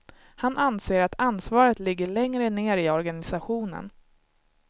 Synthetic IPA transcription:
hanʔanseːɾat̪ʰansvɑːɾət̪lɪɡːəɭɛŋɾəneːɾɪɔɾɡanɪsaɧuːnə̰n

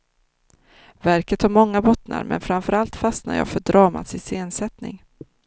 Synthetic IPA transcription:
væɾkət̪haɾmɔŋːabɔt̪na̰ɾmɛ̰nfɾamfœɾalt̪fast̪na̰jɑ̰ːfœɖɾɑːma̰t̪sɪseːnsɛt̪nɪ̰ŋ

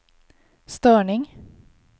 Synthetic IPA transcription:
st̪øːɳɪŋ

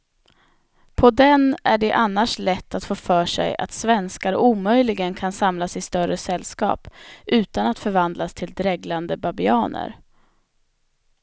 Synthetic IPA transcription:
pʰɔd̪ɛnæɖɛʔanːaʂlɛt̪ːat̪foːfœːʂɛ̰ja̰t̪svɛnskaɾuːmœjlɪɡənkʰansamlasɪst̪œɾəsɛlːskɑ̰ːpʔʉ̟ːt̪anat̪fœɾvand̪last̪ʰɪld̪ɾɛɡland̪əbabɪɑːnə̰ɾ

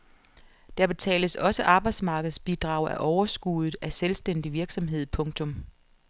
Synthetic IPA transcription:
d̥æɐb̥e̝t͡sʰɛ̰ːləsɒ̽səʔɑ̈ːb̥ɑ̈ɪd̥smɑ̈ːɡ̥əð̞̩ˠsb̥id̥ʁɑ̈ʊ̰æʔɒʊɐsɡ̥uðˠð̩ˠæselsd̥end̥iʋiɐɡ̥sɒ̽mɦe̝ð̞̰ˠpʰɔ̽ŋt͡sʰɔ̽m

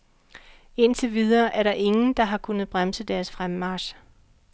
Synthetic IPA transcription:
e̝nt͡sʰeʋið̞ˠɐːʔæɐɾɑ̈ʔe̝ŋn̩d̥ɑ̈ɦɑ̈kʰunð̞̩ˠb̥ʁamsəd̥æɐsfʁammɑ̈ːɕ

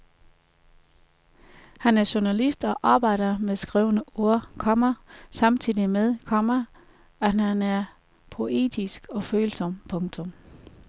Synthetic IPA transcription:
hænæɐɕunælisd̥ɒ̽ʔɑ̈ːb̥ɑ̈ɪ̰d̥ɐmeðˠsɡ̥ʁɛʊnəuɐ̰kʰɒ̽mɐsɑ̈mt͡sʰið̰ˠimeðˠkʰɒmɐ | æhænæɐ | pʰo̝ʔe̝̰ːd̥ʰisɡ̥ɒ̽føːlsɒ̽m̰pʰɔ̽ŋt͡sʰɔ̽m

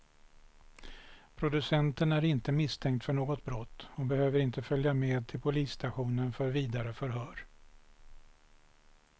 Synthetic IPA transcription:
pʰɾʊd̪ɵsɛnt̪ənæɾɪnt̪əmɪst̪ʰɛŋkt̪fœɳoːɡɔt̪̚bɾɔt̪ːhɔbɛhøːvəɾɪnt̪əfœljameːd̪̚t̪ʰɪlpʰʊliːst̪ʰaɧuːnənfœɾviːd̪aɾəfœɾɦœːɾ

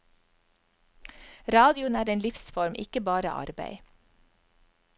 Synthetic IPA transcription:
ɾɑːd̪ɪʊnæːɾeːnlɪfsfɔɾmʔɪ̰kəbɑːɾə̰ʔɑ̰ɾbæ̰ɪ

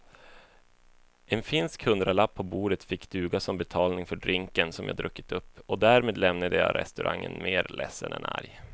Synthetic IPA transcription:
ɛnfɪnskhɵnd̪ɾalapʰːɔbuːɖət̪fɪkːd̪̥ʉ̟ːɡasɔmbɛt̪ʰɑːlnɪŋfœɖɾɪŋkənsɔmjɑ̰ːd̪ɾɵkːɪ̥t̪ɵpːɔd̪æːɾmeːd̪lɛmnad̪əjɑ̰ːɾɛ̰st̪ɵɾʔa̰ŋːə̰nmeːɾlɛsːənɛ̰na̰ɾj

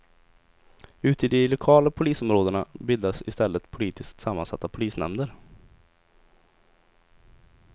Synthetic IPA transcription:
ʉ̟ːt̪ɪd̪ɪlʊkʰɑːlapʰʊliːsɔmɾoːd̪əɳabɪld̪asɪst̪ɛlːət̪pʰʊliːt̪ɪskt̪samːansa̰t̪ːapʰʊliːsnɛ̰md̪əɾ

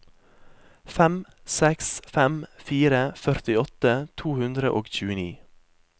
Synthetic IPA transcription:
fɛm | sɛksfɛmfiːɾəfœɾt̪ɪɔt̪ət̪ʰuːhʉnd̪ɾəʔoːɡçʉːənḭː

